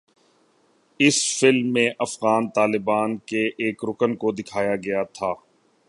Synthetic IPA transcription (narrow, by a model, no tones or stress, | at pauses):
ɪsfɪlmːẽʔɐfɣaːnt̪aːlɪbaːnkeʔeːkɾʊkənkod̪ɪkʰaːjaɡɐjat̪ʰaː